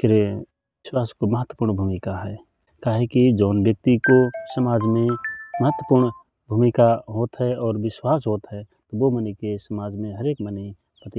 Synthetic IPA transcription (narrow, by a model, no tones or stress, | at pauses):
kɪɾe | ʋɪswaːskoməɦət̪wəpuːɾɳbʱuːmɪkaɦɛː | kaːɦekid͡ʒɔːnbjək̚t̪ikosəmaːd͡ʒmẽməɦət̪ːwəpuɾɳ | bʱumikaɦoːt̪ɦɛɔːɾʋɪswaːsɦoːt̪ɦɛt̪oʋomənikesəmaːd͡ʒmẽɦəɾeːkməni | pət̪i